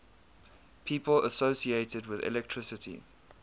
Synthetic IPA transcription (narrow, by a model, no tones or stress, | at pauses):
pʰiːpələsoʊsieɪtədwɪðɛ̰lɛk̚tʰɹɪsɪtʰḭ